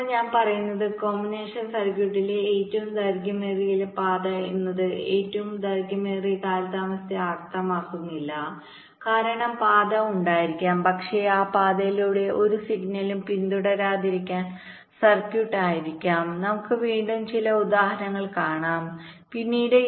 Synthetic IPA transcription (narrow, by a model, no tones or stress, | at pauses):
ɲaːnpɐrɐjunːɐðɨko̞ːmːineːʂɐnsɐrkjuʈːileeːtːɐʋumd̪ɐrɡɐmeːrijilpaːd̪ɐinːɐðɨeːtːɐʋumd̪ɐrɡɐmeːrikaːlt̪aːmɐst̪jiart̪ɐmaːkːunːilːɐ | kaːɾɐɳɐmpaːd̪ɐuɳɖaːjiɾikʲːaːmpɐkʂeaːpaːd̪ɐjiluːɽe̞ʔo̞ɾusiɡnɐlumpind̪uɽɐɾaːd̪iɾikʲːaːn | sɐrkjuʈːaːjiɾikʲːaːmnɐmukːɨʋiːɳɖumt͡ɕilɐud̪aːhɐnɐŋːɐɭkaːɳaːmpinːiːɽɨ